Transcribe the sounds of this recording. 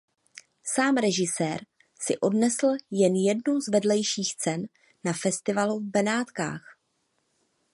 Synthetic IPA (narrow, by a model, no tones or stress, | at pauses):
saːmɾɛʒɪsɛːɾ | sɪʔo̞dnɛsl̩jɛnjɛdnuwzvɛdlɛjʃiːxt͡sɛnː | afɛst̪ɪvaluvbɛnaːt̪ka̰ːx